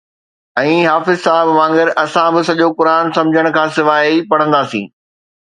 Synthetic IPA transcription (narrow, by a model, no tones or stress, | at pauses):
ɛ̃ːɦaːfɪzsaːɦɪbʋãːŋɡəɾʔɐsãbɪsɐʄokʊɾaːnsɐ̃md͡ʑʱəɽ̃kʰãːsɪʋaːɦipɐɽ̤ə̃nd̪aːsḭ̃ː